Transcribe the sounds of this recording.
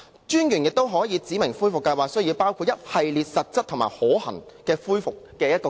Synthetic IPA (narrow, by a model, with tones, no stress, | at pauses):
t͡ʃyː˥njyː˨˩njɪ˨k̚t̪o˥wɦɔː˨˥jiː˨˧t͡siː˨˥mɪ˨˩ŋfuː˥jfʊ˨kːɐ˧jwaː˨k̚sɵ˥jiː˨˧wpaː˥wkʰuː˧t̚jɐ˥t̚hɐ˨jliː˨t̚sɐ˨t̚t͡sɐ˥t̚t̪ʰʊ˨˩ŋma̰ː˨˩hɔː˨˥hɐ̰˨˩ŋ | kɛː˧fuː˥jfʊ˨kːɛː˧jɐ˥t̚kɔː˧